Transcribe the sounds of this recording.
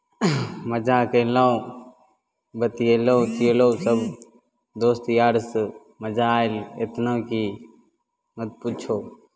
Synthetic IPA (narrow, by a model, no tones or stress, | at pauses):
məd͡ʒakəla | bət̪ijeloːt̪ijeloːsəb | d̪oːst̪jaːɽs | məd͡ʒaːɪlet̪naːki | nət̪̚put͡ʃʰoː